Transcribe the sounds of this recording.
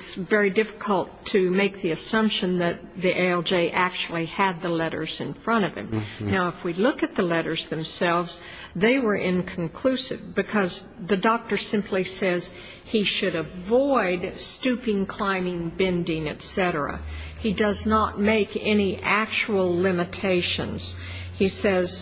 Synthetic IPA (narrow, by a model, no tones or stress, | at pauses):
tsvɛɹidɪfə̥kʰəl̩ˠtʰɨmeɪk̚ðiɨsʌ̃mpʃɨ̃nðɨt̪̚ðiʔeɪɛlˠd͡ʒeɪʔæk̚t͡ʃul̩ˠiɨd̪̚ðəlɛɾə̰˞z̥ɨ̰̃nfɹʌ̃ɾ̃ʌv̥ɨ̰̃mnaʊəfwilʊkɨt̪̚ðəlɛɾə˞zðɨ̃msɛlˠvz | ðeɪwə˞ʔɪ̃nkʰn̩kʰl̥ʉsɨvbɨkʰʌz | ðɨdɔk̚tə˞sɪ̃mpʰlisɛz̥ | iʃɨɾɨvɔɪdstʉpɪ̃ŋkʰl̥ãɪ̃mɪ̃ŋbɛ̃ndɪ̃ŋɨ̰tsɛɾə˞ə̰idʌznət̚meɪkɛniʔæk̚t͡ʃuwl̩ˠlɪ̃mɨtʰeɪʃɨ̰̃nz̥ | isɛz̥